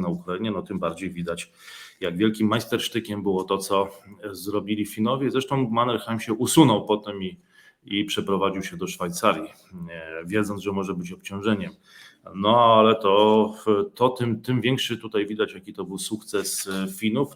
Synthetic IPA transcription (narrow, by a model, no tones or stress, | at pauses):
naukɾaiɲɛnɔt̪ɘmbaɾd͡ʑejvʲid̪at͡ɕ | jaɡvʲjɛlkʲimːajst̪ɛɾʂt̪ɘkʲɛmbɘwɔt̪ɔt̪sɔzɾɔbʲilʲifʲinɔvʲjɛizɾɛʂt̪ɔ̃w̃manɛɾxamɕɛʔusunɔwpɔt̪ɛmi | ipʂɛpɾɔvad͡ʑiwɕɛd̪ɔʂfajt̪saɾʲji | vʲjɛd̪zɔnʐɛmɔʐɛbɘt͡ɕɔp̚t͡ɕɔ̃w̃ʐɛɲɛm | nɔalɛt̪ɔ | t̪ɔt̪ɘmt̪ɘmvʲjɛŋkʂɘt̪ut̪ajvʲid̪at͡ɕjakʲit̪ɔbɘwsukt̪sɛsfʲinuf